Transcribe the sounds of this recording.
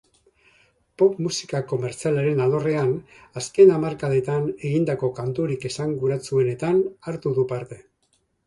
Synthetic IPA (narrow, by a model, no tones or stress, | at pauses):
po̞pmusikako̞me̞ɾt͡sialaɾe̞nalo̞re̞an | aske̞namaɾkaðe̞t̪ane̞ɣind̪ako̞kant̪uɾike̞saŋɡuɾat͡sue̞ne̞t̪anaɾt̪uðupaɾt̪e̞